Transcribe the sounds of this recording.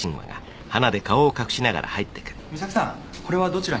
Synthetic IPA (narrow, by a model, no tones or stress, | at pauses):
ĩɰ̃βa̰ɡa̰ | hanad̪e̞kao̞ːkakɯ̟̥ɕinaɡa̰ɾʔa̰hait̪ːe̞̥kɯ̟̥misaksã | ko̞ɾe̞βad̪o̞t͡ɕiɾa